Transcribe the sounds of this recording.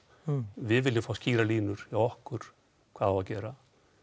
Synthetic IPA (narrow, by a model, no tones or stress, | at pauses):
vɪðvɪlːɪmfaːwsciːɾaliːnʏɾ̥jawɔhkʏɾ̥ | kʰvaːðawacɛːɾa